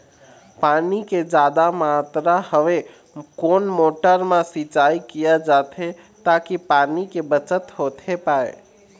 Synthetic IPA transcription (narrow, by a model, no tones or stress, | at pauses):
paniked͡ʒad̪amat̪ɾahəʋe | konmoʈəɾmãsit͡ʃaikijəd͡ʒat̪ʰe | t̪akipanikebət͡ʃət̪ɦot̪ʰepae